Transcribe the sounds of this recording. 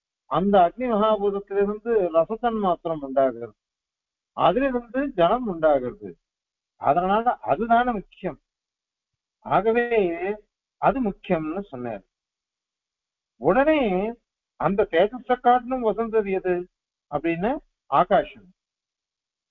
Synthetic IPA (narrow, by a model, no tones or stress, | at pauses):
ɐnd̪ɐːɡ̚nimɐɦaːbuːɾɐt̪ːɪlɾɯnd̪ɯɾɐsɐsɐnmaːt̪ɾɐmʊɳɖaːɣɪɾɐðɯ | ɐ̰ðɪlɪɾɯnd̪ɯd͡ʒɐnɐmʊɳɖaːɣɪɾɐðɯ̰ | ɐ̰ðɐnaːlɐʔɐðɯðaːnɯmʊkːɪjɐm | aːɣɐʋeːeː | ɐðɯmʊkːɪjɐmnːɯsɔnːḛːɾ | ʊɽɐneː | ɐnd̪ɐt̪eːt̪ɐsɐkːaːʈnɯmʋɐsɐnd̪ɐɾɪjɐðɯ | ɐpːɐɽɪnːɯ | aːɣaːʂɐm